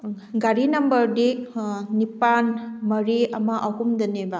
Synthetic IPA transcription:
ɡaɾinɐmbɐɾdinipanmɐɾiɐmaʔawkumd̪ɐneba

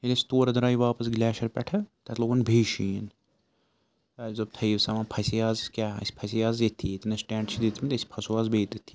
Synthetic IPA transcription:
ilʲisʲi̥t̪oːɾɐd̪ɾaːjiʋaːpɐs̬ɡlʲæːʃɐɾpʲɛʈʰɐt̪ɐt̪loːɡunbʱeːʃiːn | zɐb̚t̪ʰɐjʋsɐmãːpʰɐsijaːzkʲaːɐ̰sʲi̥pʰɐsijaːzd̪ʲit̪ʰːit̪nɐsʈẽːɳʈt͡ʃʰid̪it̪ʰmit̪ɐsʲi̥pʰɐsuaːzbeːt̪it̪ʰːi

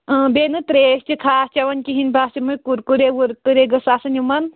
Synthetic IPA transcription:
benɨt̪ɾeːst͡ʃikʰaːst͡ʃɐʋɐnʲkiɦinbʱast͡ʃimujkuɾkuɾeʋuɾk̪ɨɾeɡɐsaːsɐnʲjumɐn

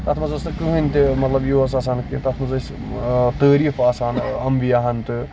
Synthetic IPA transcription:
t̪ɐt̪ʰmɐzɐsɨkɨɦɨnʲt̪ɨmɐt̪lɐbjoːɐsaːs̬aːnkḭnt̪ɐt̪ʰmɐzɐs | t̪əːɾiːfaːsaːnɐmʋijaːɦɐnt̪ɨ

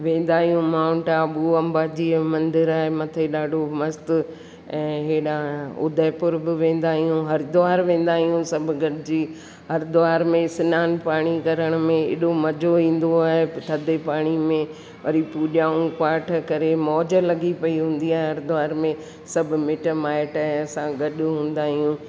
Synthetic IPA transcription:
ʋẽːn̆d̪aːɦijũmaːʊ̃ɳʈaɓuɐ̃mbaːd͡ʑiːɛ̃ːmɐ̃nd̪ɪɾaːɦemɐt̪ʰeɗaːɖʱomɐst̪ | ɛ̃ːɦeːɗãʊ̰d̪ʱəɪpʊɾbɪʋẽːn̆d̪aːɦijũɦɐɾd̪ʊaːɾʋẽːn̆d̪aːɦijũsɐbʱʊɡʱɐɽɪd͡ʑiː | hɐɾd̪ʊaːɾmẽsɪnaːnpaːɽ̃ikɐɾəɽ̃mẽɪ̰ːɗomɐd͡ʑʱoĩːn̆d̪oaːɦet̪ʰɐd̪ʱepaːɽ̃imẽ | ʋɐ̰ɾipuːɗaːũkwaːʈʰkɐɾemɔːd͡ʑəlɐɡipɐiɦũːn̆d̪iaːɦeɦɐɾd̪ʊʋaːɾmẽ | sɐbʱʊmɪʈəmaːɪʈaːɦeɐsãɡɐɗʊɦũːn̆d̪aːɦijũː

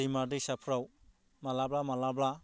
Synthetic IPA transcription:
imadisapʰɾaw | malablamalabla

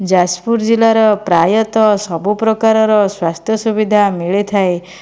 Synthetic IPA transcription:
d͡ʒaspuɾd͡ʒilaɾɔpɾajɔt̪ɔsɔbupɾɔkaɾɔɾɔswast̪ʰjɔsubid̪ʱamiɭet̪ʰae

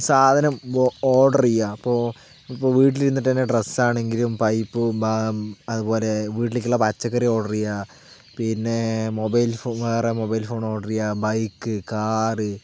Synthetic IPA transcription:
saːd̪ʱɐnɐmoːʈɐrijːaipːoː | ipːoːʋiːʈ̬iliɾunːiʈːt̪ɐnːeʈresaːɳe̞ŋɡilumpɐjpːɨbɐðupo̞ːle̞ʋiːʈ̬ːilikʲːuɭːɐpɐt͡ɕːɐkːɐɾio̞ːɽɐrijːa | pinːe̞mo̞bɐjlfoːʋeːremo̞bɐjlfo̞ːɳo̞ːɽɐrijːabɐjkːɨkaːrɨ

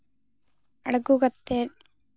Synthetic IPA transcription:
ɐɽɐɡuɡɐt̪ːe

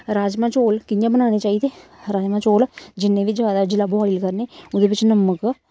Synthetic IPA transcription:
ɾaːd͡ʒmãːt͡ʃoːlkɪjãːbənaːñeːt͡ʃaːiːd̪eːɾaːd͡ʒmãːt͡ʃoːld͡ʒɪnːẽːʋid͡ʒjaːd̪aːd͡ʒɪlaːboaːilkəɾneːʊd̪eːbɪt͡ʃnəmək

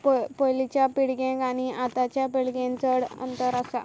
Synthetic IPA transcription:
ppojlit͡ɕjapiɽɡẽɡaɽ̃iʔat̪at͡ɕjapiɽɡẽnt͡səɽə̰nt̪əɾasa̰

